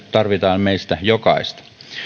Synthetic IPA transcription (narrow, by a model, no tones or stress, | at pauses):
t̪ɑrʋit̪ɑːnmeist̪æjokɑ̰ist̪